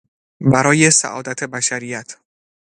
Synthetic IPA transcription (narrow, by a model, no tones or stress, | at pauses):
bæɾɒːjesæ̰ʔɒ̰ːd̪æt̪ʰebæʃæɾijæt̪ʰ